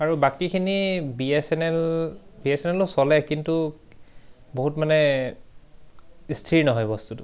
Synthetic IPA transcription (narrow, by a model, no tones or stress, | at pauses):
aɹubakikʰinibiɛsɛnɛlbiɛsɛnɛlʊsɔlɛkintu | boɦutmanɛ | istʰiɹnɔɦɔjbɔstutʊ